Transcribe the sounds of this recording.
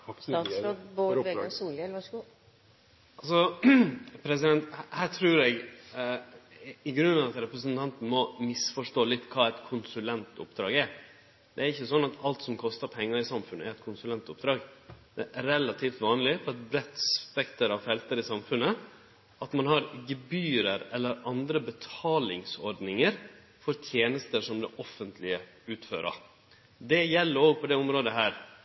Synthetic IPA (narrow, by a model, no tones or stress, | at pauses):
ɾoboʋesuːlɛɑɡu | ɑls̬ɔ | pʰɾɛs̬ɪd̪ɛnt̪hæːʈʰɾʉːɾɛɡ | ɪɡɾʉnːɑʋɑt̪ɾɛpɾəs̬ənt̪ʰɑnt̪n̩mɔmɪsfɔʂʈoːlɪt̪ːkʰɑːɛt̪kʰʊnsʉlɛnt̪ʊ̰pd̪ɾɑ̰ːɡɛɾ | d̪̥ɛæɾɪçːəsɔnːɑt̪ʰɑlt̪sɔmkʰɔst̪ɑɾpʰɛŋːɑɾɪsɑmfʉnəæɾɛt̪kʰʊnsʉlɛnt̪ʊp̚d̪ɾɑːɡd̪̥ɛɾɛlɑt̪ʰiːft̪ʋɑːnlɪfɔɾɑt̪bɾɛt̪sfɛkt̪əɾɑʋfɛlt̪əɾɪsɑmfʉnə | ɑt̪mɑnhɑɾɡɛbyːɾəɾɛlːəɾɑnd̪ɾəbət̪ʰɑːlɪŋsɔɾɖ̪nɪŋəɾ | fɔɾt̪ʰjeːnəst̪əʂɔmd̪ɛʔɔfənt̪ʰlɪə | ʉːt̪føːɾʔɑ̰ | d̪ɛjɛlːəɾoːɡ̚pʰɔd̪ɛʊmɾoːd̪əɦæːɾ